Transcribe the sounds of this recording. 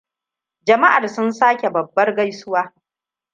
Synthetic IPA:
d͡ʒɐ˨ma˦ʔa˨rsʊ˦nsaː˦kʲe˨bɐ˨bːɐ˦rɡa˦jsʊ˦waː˦

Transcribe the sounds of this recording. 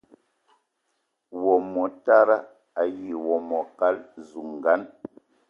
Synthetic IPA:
wɔ˨mɔ˨ta˦ɾa˦ | a˨ji˨wɔ˨mɔ˨ka˦lzu˨ŋ˨ɡa˦n

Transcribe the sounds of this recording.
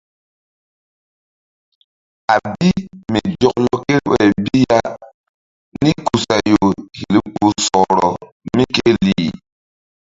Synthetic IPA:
a˨bi˦mi˨d͡ʒɔ˦˨klɔ˦ke˦ɾwɛ˦˨bi˦ja˦ | ni˦ku˨sa˨jo˨hi˨li˦pu˨˦sɔ˨ɾɔ˨ | mi˦ke˦li˦˨

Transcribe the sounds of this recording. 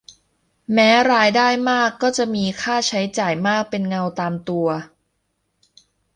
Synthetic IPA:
mɛː˦˥ɾaː˧jdaː˥˩jmaː˥˩kːɔː˥˩t͡ɕa˨˩ʔmiː˧kʰaː˥˩t͡ɕʰa˦˥jt͡ɕaː˨˩jmaː˥˩k̚pe˧nŋa˧wt̪aː˧mt̪u˧ɐ

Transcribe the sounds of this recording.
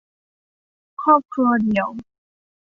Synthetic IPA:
kʰɔ˥˩p̚kʰu˧ɐ˧d̪i˨˩˦w

